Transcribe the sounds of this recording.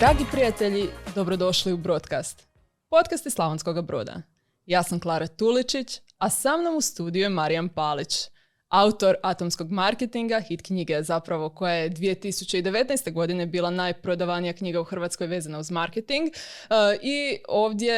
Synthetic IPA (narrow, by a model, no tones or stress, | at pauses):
d̪̥ɾaːɡipɾijat̪eʎid̪o̞bɾo̞d̪o̞ʃliubɾo̞t̪kast̪ | po̞t̪kast̪islˠaʋonsko̞ɡabɾo̰ːd̪a̰ | jaːsamklˠaːɾat̪ulit͡ʃit͡ɕ | asamno̞must̪uːd̪ijuemaɾijampalit͡ɕ | aut̪o̞ɾat̪o̞msko̞ɡmaɾket̪iŋɡaxit̪kɲiɡezapɾaʋo̞ko̞jajed̪ʋije̞t̪isut͡ɕeid̪e̞ʋet̪nɛjst̪e̞ɡo̞d̪ine̞biːlˠanaːjpɾo̞d̪aʋanijakɲiɡauxr̩ʋat̪sko̞jʋe̞ːzanauzmaɾket̪iŋɡʔio̞ːʋd̪je̞